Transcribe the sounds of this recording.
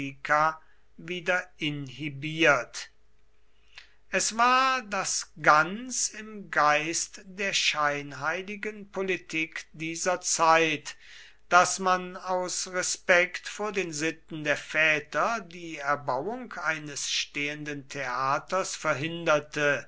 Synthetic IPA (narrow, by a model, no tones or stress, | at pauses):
ikʰa | viːdɐɪnhibiːɐt | ʔɛsv̥aːɐdasɡant͡sɪmɡaɪstd̥eːɐʃaɪnɦaɪlɪɡənpolitʰiːkd̥iːzɐt͡saɪt | d̥asmanaʊsʁɛspɛktfoːɐdeːnzɪt̪n̩deːɐfɛːtɐdiːɛɐbawʊŋkʰaɪnəsʃteːəndəntʰeaːtɐsfɛɐɦɪndɐtʰə